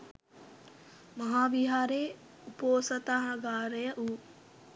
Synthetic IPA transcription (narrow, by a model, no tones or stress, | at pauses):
mɐɦaːʋiɦaːɾeː | upoːsɐt̪aɦɐɡaːɾɐjəʔuː